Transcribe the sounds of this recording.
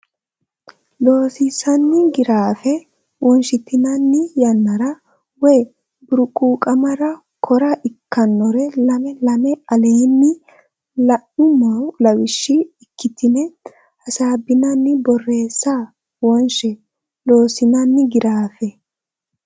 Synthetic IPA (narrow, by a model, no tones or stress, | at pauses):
lo̞ːsɪsɐnːɪɡɪɾaːfɛ | wɔnʃɪt̪ɪnɐnːɪjɐnːɐɾɐ | wɛj | bʊɾʊkʼuːkʼɐmɐɾɐ | kʰɔɾɐʔɪkːɐnːɔɾɛlɐmɛlɐmɛɐleːnːɪ | lɐʔʊmɐwlɐwɪʃːɪɪkːɪt̪ɪnɛ | ɐsaːbɪnɐnːɪbɔrːe̞ːsːa | wɔnʃɛ | lo̞ːsɪnɐnːɪɡɪɾaːfɛ